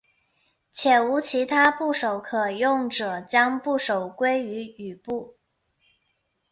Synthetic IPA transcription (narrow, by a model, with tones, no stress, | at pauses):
t͡ɕʰjɛ˨˩u˧˥t͡ɕʰi˧˥t̪ʰa˥pu˥˩ʂo˨˩ʊkʰɤ˨˩jʊ˥˩ŋʈ͡ʂɤ˨˩t͡ɕjɑ˥ŋpu˥˩ʂo˨˩ʊkwe˥ɪy˧˥y˨˩pu˥˩